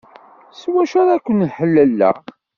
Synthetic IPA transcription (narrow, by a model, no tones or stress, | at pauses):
swæʃaɾækʷːənħəlːəlːæ̰